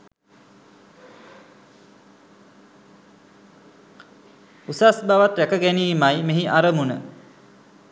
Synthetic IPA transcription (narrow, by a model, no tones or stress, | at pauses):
usasbaʋat̪ɾækəɡɛniːmajmeɦiʔaɾəmunə